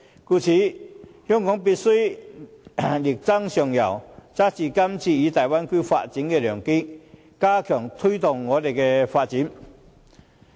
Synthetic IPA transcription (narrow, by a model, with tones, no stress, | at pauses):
ku˧˩t͡ɕʰi˨˥hjɔ˧˥ŋkɔ˨˥ŋpi˧t̚su˥ | li˨˩k̚t͡sa˥ŋɕɔ˨˩ŋja˨˩wt͡sa˦˥t͡ɕi˧˩ka˥mt͡ɕʰi˧˩i˨˧˦t̪a˨˩jwa˥nki˥fa̰˧t̚t͡ɕi˨˦nkɛ˧lœ˨˩ŋki˥ | kaː˦˥kʰjɔ˨˩ŋt̪ʰu˥t̪ɔ˨˩ŋːɔː˨˧˦t̪e˨˩kɛ˧fa˧t̚t͡ɕi˨˦n